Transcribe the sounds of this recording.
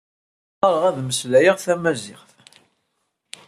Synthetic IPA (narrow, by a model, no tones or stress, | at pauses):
qɑɾˤʁæðməslæjəʁθæmæzɪʁθ